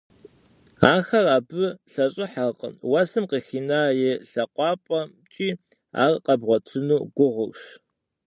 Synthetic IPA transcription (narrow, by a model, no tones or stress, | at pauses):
aːxɐraːbɨɬɐɕʼɪħaqʼə̰nwɐsɨmqiːxiːnaːjɛɬɐqʷɑːpʼɐ | t͡ʃʼiː | a̰ːrqɐbʁʷɔtʰɨnuːɡʷʊʁʊwʃ